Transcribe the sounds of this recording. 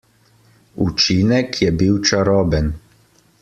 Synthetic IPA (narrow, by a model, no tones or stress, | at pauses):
ut͡ʃinɛkʰjɛbiwt͡ʃaɾɔːbɛn